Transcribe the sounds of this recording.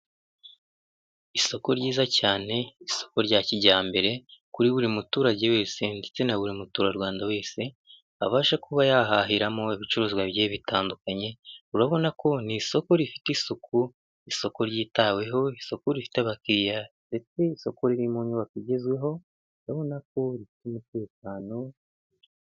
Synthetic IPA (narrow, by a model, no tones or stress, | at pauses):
iso̞ko̞ɾɟiːzacaːne̞iso̞̥ko̞ɾɟaːciɟaːmbe̞ɾe̞kuɾiβuɾimutuːɾaɟe̞we̞ːse̞ndet͡se̞naβuɾimutuːɾaɾwaːndawe̞ːse̞ | aβaːʃakuβajaɦaɦiɾamo̞iβit͡ʃuɾuzɡwaβjeːβitaːndukaɲe̞uɾaβo̞nako̞niso̞ko̞ɾifi̥teisuku | iso̞ko̞ɾɟiːtaːwe̞ɦo̞iso̞kuɾifi̥teaβakijande̞t͡se̞iso̞ko̞ɾiɾimuːɲuβakiɟe̞zwe̞ɦo̞ | uɾaβo̞nak̚o̞ɾifi̥tumite̞ːk̚aːno̞